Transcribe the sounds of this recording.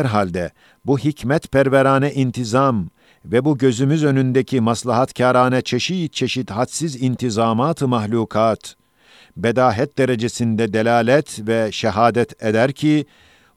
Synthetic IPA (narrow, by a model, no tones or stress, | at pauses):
ɛɾɦalʲd̪ɛ | buɦicmɛt̪pʰæɾvɛɾaːnɛʔint̪ʰizam | vɛbuɟø̞zymyzø̞nynd̪ɛcʰimaslˠaɦat̪cʰaːɾaːnɛt͡ʃʰeʃiːt̪̚t͡ʃʰe̞ʃit̪hat̪sizint̪ʰizaːmaːt̪ʰɯmaxlʲuːkʰaːt̪ | bed̪aːɦɛt̪̚d̪eɾed͡ʒesind̪ɛd̪elʲaːlʲɛt̪ʰvɛʃɛɦaːd̪ɛt̪ʰed̪æɾcʰi